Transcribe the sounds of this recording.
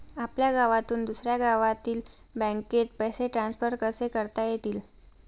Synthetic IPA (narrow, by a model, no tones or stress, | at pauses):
apljaɡaʋat̪uːnd̪usɾjaɡaʋat̪iːlbə̃ŋket̪̚pəjseʈɾãnsfəɾkəsekəɾt̪ajet̪iːl